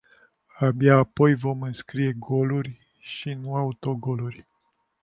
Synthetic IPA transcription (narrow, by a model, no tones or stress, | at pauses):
abjaːpo̞jvo̞mɨnskɾije̞ɡo̞lurʲ | ʃinuaut̪o̞ɡo̞lurʲ